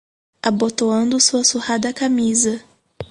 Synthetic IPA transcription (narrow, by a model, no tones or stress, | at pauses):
abot̪oɐ̃nd̪ʊsuɐsuhad̪ɐkamizɐ